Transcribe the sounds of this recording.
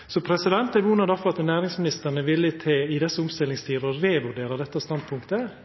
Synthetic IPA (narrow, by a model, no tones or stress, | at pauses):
sɔpʰɾɛsɪd̪ɛnt̪æʋuːnɑd̪ɑfɔɾɑt̪næːɾɪŋsmɪnɪst̪əɳəʋɪlːət̪ʰeːɪd̪ɛsːəʊmst̪ɪlɪŋst̪ʰiːɾɔɾeːʋʉɾɖ̪eːɾɑd̪ɛt̪ːɑst̪ɑnd̪pʰʊŋkt̪ə